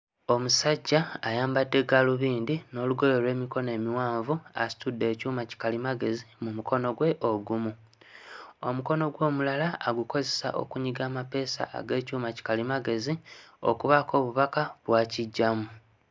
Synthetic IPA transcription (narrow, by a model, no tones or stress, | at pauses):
o̞musaɟːaːjaːmbadːe̞ɡaluβiːndino̞ːluɡo̞jolwe̞ːmiko̞ne̞ːmiwaːɱvua̰si̥tudːe̞ːcuːmaci̥kalimaɡe̞zimumukʰo̞no̞ɡwe̞ʔoɡumu | o̞muko̞no̞ɡwo̞ːmulalaːɡuko̞ze̞sa̰ʔo̞̰kuɲiɡaːmape̞ːsa̰ʔa̰ɡe̞ːcuːmaci̥kalimaɡe̞zio̞̰kuβako̞ːβuβakaβwaːciɟːamu